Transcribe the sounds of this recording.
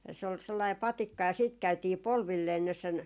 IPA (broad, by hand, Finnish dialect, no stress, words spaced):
se ol selːɑi pɑtikːɑ jɑ siːt kæytiː polʋilːeː sinːes sen